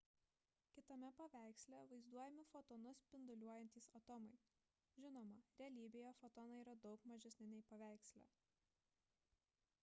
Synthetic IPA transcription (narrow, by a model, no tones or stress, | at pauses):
kʲɪt̪ɐmʲɛpɐʋʲæˑɪksʲlʲɛʋɐɪzd̪uɔjɛmʲɪfɔt̪ɔnʊspʲɪnd̪ʊlʲuɔjɛnʲt̪ʲiːsɐt̪ɔmɐɪ | ʒʲɪnoːmɐɾʲɛɐlʲiːbʲeːjofɔt̪ɔːnɐiːɾɐd̪ɒʊkmɐʒʲɛsʲnʲɪnʲɛɪpɐʋʲæˑɪksʲlʲæ̰ː